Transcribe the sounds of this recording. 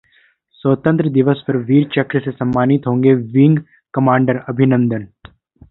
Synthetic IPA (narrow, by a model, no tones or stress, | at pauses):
sət̪ə̃nt̪ɾəd̪ɪʋəspɐɾʋiːɾt͡ʃɐkɾəsesɐ̃mːaːnɪt̪ɦõːŋɡeʋɪ̃ŋɡ | kɐmãːɳɖəɾɐbʱɪnə̃nd̪ən